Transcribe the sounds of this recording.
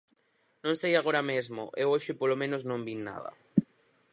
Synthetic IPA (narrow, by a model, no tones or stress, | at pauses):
nõŋst̪ejaɣoɾamezmo̰ʔewoʃɪpolomẽnoznõmbinna̰ðɐ̰